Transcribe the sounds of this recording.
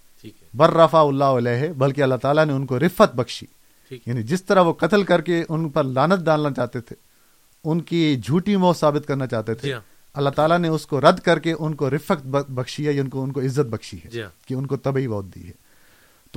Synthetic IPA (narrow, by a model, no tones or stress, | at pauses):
bɐɾːɐfaʊlːaoɪlɛːɦɛbɐlkeɐlːaɦt̪aːlaneʊnkoɾɪfət̪̚bɐkʃḭ | jaːnĩd͡ʒɪst̪ɐɾaɦʋokɐt̪əlkɐɾkeʊnpɐɾlaːnət̪̚ɖãːlnat͡ʃaːt̪et̪ʰe̥ | ʊnkied͡ʒʱuːʈĩmɔːsaːbɪt̪kɐɾnat͡ʃaːɦt̪et̪ʰe | ɐlːaɦt̪aːlaneʊskoɾɐd̪kɐɾkeʔʊnkoɾɪfəkt̪bɐkʃiɦɛjaʊnkoʊnkoɪzːət̪̚bɐkʃiɦɛ̰kiʊnkot̪ɐbibɔːt̪̚d̪ḭːɦɛː | t̪oː